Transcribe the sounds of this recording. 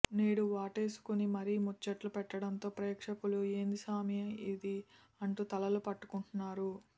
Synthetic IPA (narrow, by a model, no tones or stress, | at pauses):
ne̞ːɽuʋaːʈe̞ːsu̥kunimɐɾimut͡ʃːɐʈlupɛʈːɐɽɐnt̪o̞ːpɾɐjɐkʂɐkulue̞ːnd̪isaːmjɐid̪i | ɐɳʈuːt̪ɐlɐlupɐʈːu̥kuɳʈunːaːɾu